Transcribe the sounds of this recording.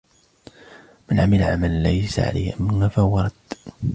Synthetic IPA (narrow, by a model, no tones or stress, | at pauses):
mɪnʕamɪlʕamallajsa̰ʕa̰la̰jhʔamːɪnːafawɑɾˤɑd̪